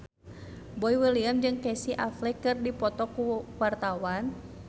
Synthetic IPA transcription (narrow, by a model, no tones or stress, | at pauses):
boiwəliamd͡ʒɨŋkɛsiʔaflɛkɨrdipɔt̪ɔkuwart̪awan